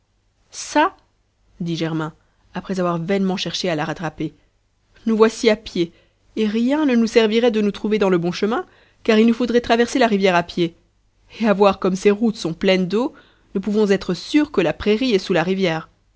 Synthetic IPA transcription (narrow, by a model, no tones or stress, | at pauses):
sa | d̪iʒɛʁmɛ̃ | apχɛzavwaʁvɛnmɑ̃ʃɛʁʃealaʁat̪χape | nuvwasiapjeː | ʁjɛ̃nənusɛʁviʁɛd̪ənut̪χuved̪ɑ̃ləbɔ̃ʃəmɛ̃ | kaʁilnufod̪ʁɛt̪χavɛʁselaʁivjɛʁapje | eavwaʁkɔmseʁut̪sɔ̃plɛnd̪o | nupuvɔ̃zɛt̪χəsyʁkəlapχeʁiɛsulaʁivjɛːʁ